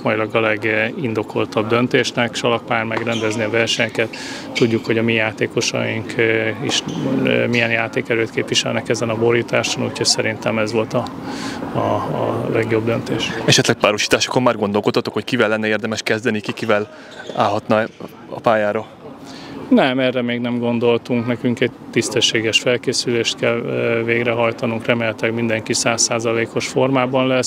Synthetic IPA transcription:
mɒjilɒɡɒlɛɡind̪o̞ko̞lt̪ɒbd̪ø̞nt̪eːʃnɛkʃɒlɒk̚paːjrmɛɡrɛnd̪ɛzniɒvɛrʃɛɲkɛt̪ː | uɟːukho̞ɟɒmijaːt̪eːko̞ʃɒ̰jiŋkiʃmijɛnjaːt̪eːkɛløːt̪keːpʋiʃɛlnɛkɛzɛnɒbo̞ɾit̪aːʃonuːcʰhocsɛɾint̪ɛmɛzʋo̞lt̪ɒ | lɛɡjo̞bd̪ønt̪eːʃɛʃɛt̪lɛk̚paːɾoʃi̥ːt̪aːʃo̥kommaːrɡond̪o̞lkot̪ːɒt̪o̞kho̞ckivɛlːɛnːɛeːrd̪ɛmɛʃkɛzd̪ɛnikikivɛl | a̰ːlɦɒt̪nɒ | ɒ̰paːjaːɾo | nɛmɛrɛmeːɡnɛmɡo̞nd̪o̞lt̪uŋknɛkyŋkɛɟ̚t̪ːist̪ɛʃːeːɡɛʃfɛlkeːsyleːʃt̪kɛlveːɡrɛɦɒjt̪ɒnuŋkrɛmeːlɛt̪lɛɡmind̪ɛŋkisaːsːaːzɒleːko̞ʃfo̞rmaːbɒnlɛs

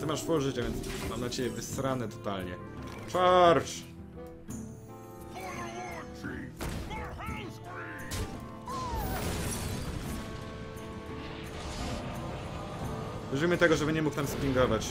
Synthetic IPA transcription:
t̪ɘmaʂfɔʐɘt͡ɕavʲjɛnsmamnat͡ɕɛbʲjɛvɘst̪ɾanɛt̪ɔt̪alɲɛ | t͡ʂaɾʂ | vɨzvimɘt̪ɛɡɔʐɛbɘɲɛmukt̪amspʲiŋɡɔvat͡ɕ

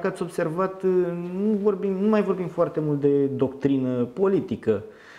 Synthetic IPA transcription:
kat̪sʲo̞bse̞rvat̪nuvo̞rbimnumajvo̞rbimfoart̪e̞mult̪̚d̪e̞d̪o̞kt̪ɾinəpo̞lit̪ikə

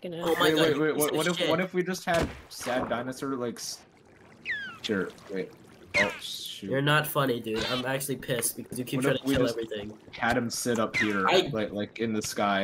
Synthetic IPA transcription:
ɡnoʊmaɪɪweɪwewʌwʌɾɨfwʌɾɨfwid͡ʒʌst̚hɨd̚sæd̚dãɪnɨsə˞laɪks | ʃʊɹweɪ | oʊʃʉjə˞nətfʌnidʉãɪ̃mæk̚t͡ʃʉl̩ˠipʰɪsb̥ɨkʰʌzjɨkʰɨtʰɹaɪɾiɛlˠɛvɹiθɪ̃ŋkʰæɾɨ̃msɪɾʌphiɹalaɪklaɪkɨ̃nðɨskaɪ

